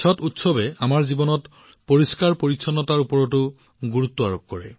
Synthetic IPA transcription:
sɔtutsɔbɛamaɹzibɔnɔt | poɹiskaɹpoɹiksʰɔnːɔtaɹupɔɹɔtʊ | ɡuɹut̪ːɔaɹop̚kɔɹɛ̰

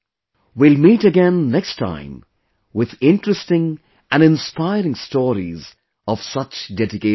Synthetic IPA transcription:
wilˠmiːtɨɡɛ̃nːɛkstʰã̰ɪ̃m | wɪðɪ̃nʈɹəstɪ̃ŋ | ʔæ̃nɨ̃nspaɪɾɪ̃ŋstɔːɾḭz | ɔv̥sʌt͡ʃdɛdɪke

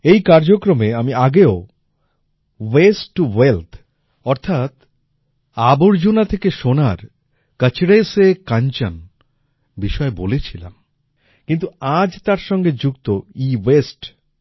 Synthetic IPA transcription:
ejkaɾd͡ʑokɾomeamiaɡeo | wesʈːuwelt̪ʰ | ɔɾt̪ʰat̪ | aboɾd͡ʑunat̪ʰekeʃonaɾ | kat͡ɕʰiɾaesekant͡ɕa̰n | biʃɔebolet͡ɕʰila̰m | kint̪uad͡ʑt̪aɾʃɔŋɡed͡ʑukt̪oiwesʈ

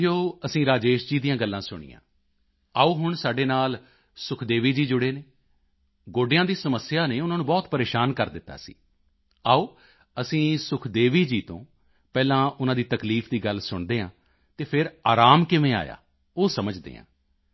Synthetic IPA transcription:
oːəsĩːɾaːd͡ʒeːʃd͡ʒiːd̪ijãːɡəlːãːsʊɽ̃ḭːã̰ː | aːuːɦʊɳsaːɖeːnaːl | sʊkʰd̪eːʋiːd͡ʒiːd͡ʒʊɽeːneː | ɡoːɖɪjãːd̪iːsəməsːjaːneːʊnãːnũːbɔːt̪pəɾeːʃaːnkəɾd̪ɪt̪ːa̰ːsḭː | aːoː | əsĩːsʊkʰd̪eːʋiːd͡ʒiːt̪õ̰ː | pɛːlãːʊnãːd̪iːt̪əkliːpʰd̪iːɡəlsʊɳd̪eːã̰ː | t̪eːpʰɪɾaːɾaːmkɪʋẽːa̰ːja̰ː | oːsəməd͡ʒd̪ḛːã̰ː

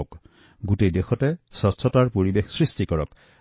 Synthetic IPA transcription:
k | ɡutejdexɔtɛsɔsʰɔtaɹpoɹibexsɹistikɔɹɔ̰k

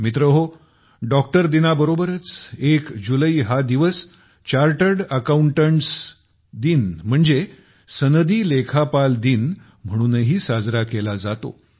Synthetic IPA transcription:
mit̪ɾəɦo | ɖɔk̚ʈəɾd̪inabəɾobəɾət͡sekd͡ʑuləiːɦad̪iʋəs | t͡ɕaɾʈəɾɖəkauɳʈəɳʈs | d̪iːnm̤əɳd͡ze | sənəd̪iːlekʰapald̪iːn | m̤əɽ̃uːnəɦiːsad͡zɾakelad͡zat̪o̰

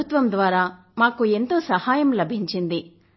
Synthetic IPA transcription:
ut̪ʋɐmd̪ʋaːɾaː | maːkue̞nt̪o̞ːsɐhaːjɐmlɐbʱiɲt͡ʃind̪i

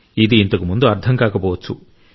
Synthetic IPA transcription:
id̪iːnt̪ɐkumund̪uɐɾt̪ʰɐŋkaːkɐbɔːʋɐt͡ʃːu

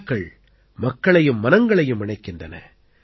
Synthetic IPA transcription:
kɐɭ | mɐkːɐɭɐjɯmːɐnɐŋɡɐɭɐjɯmɪɳɐɪkːɪndrɐnɐ̰

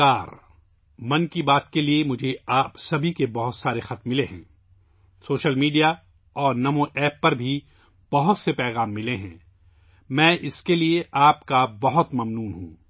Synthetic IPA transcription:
aːɾ | mɐnkibaːt̪keliemʊd͡ʒʱeaːpsɐbʱikebɐɦʊt̪saːɾexɐt̪mːɪleɦɛ̰̃ː | soːʃəlmiːɖija | ɔːɾnɐmõʔɛːpːɐɾbʱi | b̥ɐɦʊt̪sepɛːɣaːmːɪleɦɛ̰̃ː | mɛ̃ːʔɪskelieʔaːpkabɐɦʊt̪mɐmnuːnɦũː

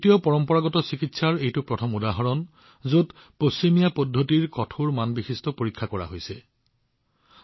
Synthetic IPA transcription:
tijɔpɔɹɔmpɔɹaɡɔtɔsikitsaɹejtʊpɹɔtʰɔmudaɦɔɹɔn | zod | posimijapɔdʱːotiɹkɔtʰuɹmanbixistɔpoɹikʰːakɔɹa̰ɦojsɛ

